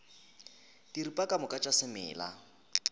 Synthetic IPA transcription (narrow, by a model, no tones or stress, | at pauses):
diripʼakʼamʊkʼat͡ʃʼasɪmɪ̰ːla̰